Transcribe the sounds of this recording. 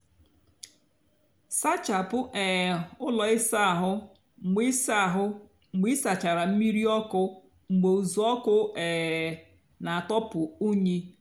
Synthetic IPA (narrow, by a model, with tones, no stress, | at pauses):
sa˦t͡ʃa˨pʊ˦ʔɛ˨ʊ˦lɔ˨ɪ˦sa˦a˨ɦʊ˦˨ | ɡ͡bi˦sa˦˨ɦʊ˦˨ | ɡ͡bi˦sa˨t͡ʃa˨ɾa˨m̩˦mi˦ɾi˦ɔ˦kʊ˦ | ŋ͡m̩˨ɡ͡be˨u˨zu˨ɔ˦kʊ˦ɛː˨ | na˨a˨tɔ˦pʊ˨u˦ɲi˦